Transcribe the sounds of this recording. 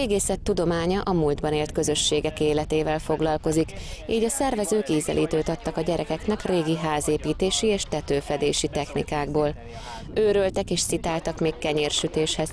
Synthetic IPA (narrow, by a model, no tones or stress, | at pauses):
eːɡeːsɛt̪ːud̪o̞maːɲɒʔɒmuːld̪bɒneːlt̪kø̞zø̞ʃːeːɡɛkeːlɛt̪eːvɛlfo̞ɡlɒlko̞zikiːɟɒsɛrvɛzøːkiːzɛ̰lʔiːt̪øːt̪ɒt̪ːɒkɒɟɛɾʔɛkɛknɛkreːɡiɦaːzeːpiːt̪eːʃieːʃt̪ɛt̪øːfɛd̪eːʃit̪ɛxnikaːɡ̚boːl | øːɾølt̪ɛkeːʃsit̪aːlt̪ɒkmeːkkːɛɲeːrʃyt̪eːʃhɛz̥